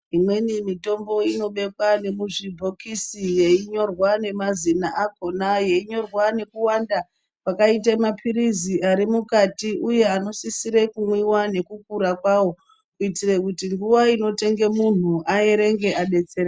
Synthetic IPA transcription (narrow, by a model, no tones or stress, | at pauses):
imwe̞nimito̞mbo̞ino̞ɓe̞kwane̞muʐibʱo̞kisije̞iɲo̞rwane̞mazinaʔako̞naje̞iɲo̞rwane̞kuwanda | pakaitemapʰiɾiziaɾimukatiʔuje̞ano̞sisiɾe̞kumwiwane̞kuk̚uɾakwawo̞ | kuitire̞kutiŋɡuʋaino̞te̞ŋɡe̞mun̤uʔae̞ɾe̞ŋɡe̞ʔaɓe̞t͡serɾe